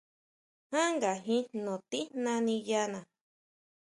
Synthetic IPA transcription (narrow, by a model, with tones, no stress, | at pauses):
hã˦ŋɡa˨ɦĩ˦nõ˨t̪i˦nã˧nĩ˧ja˧nã˨